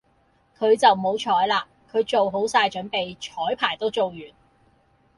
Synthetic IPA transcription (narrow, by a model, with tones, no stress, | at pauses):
kʰɵ˨˧ɥt͡sɐ˨wmo˨˧wt͡ʃʰɔː˨˥jlaː˧ | kʰɵ˨˧ɥt͡so˨wɦo˨˥wsaː˧jt͡ʃɵ˨˥npe˨jt͡ʃʰɔː˨˥jpʰaː˨˩jt̪o˥wt͡so˨wjyː˨˩n